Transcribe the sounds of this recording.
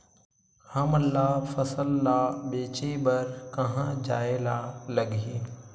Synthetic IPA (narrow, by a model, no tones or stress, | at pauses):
hɐməlːaːfɐsəlːaːɓeːt͡ʃebɐɾkɐ̃ɦãd͡ʒaːelaːlɐɡiː